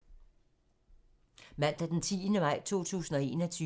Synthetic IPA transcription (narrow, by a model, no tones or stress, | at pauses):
mæl̰d̥æd̥ent͡sʰiːnəmɑ̈ɪ̰t͡sʰo̝̰ːt͡sʰṵːsn̩ɒ̽e̝ːnɒt͡sʰyː